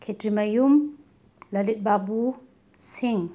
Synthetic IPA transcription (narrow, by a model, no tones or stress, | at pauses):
kʰetɾimɐjum | lɐlit̪̚babu | siŋ